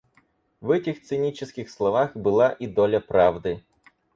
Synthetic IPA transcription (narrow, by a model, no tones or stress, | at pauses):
vɛtʲɪxt̪sɨnʲit͡ɕɪskʲɪxslˠɐvaxbɨlˠaʔid̪olʲɐpɾavd̪ɨ